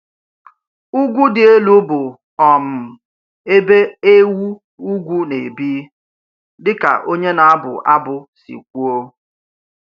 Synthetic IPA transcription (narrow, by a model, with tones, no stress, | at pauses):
u˦ɡʷu˦dɪ˨e˦lu˦bʊ˨ | ɔ˨m̩˨ | e˦be˦e˦wu˦ | u˦ɡʷu˦ne˨bi˦ | dɪ˦ka̰˨ʔo˦ɲe˦na˨a˦bʊ̰˨ʔa˦bʊ˨sḭ˨kʷu˦o˦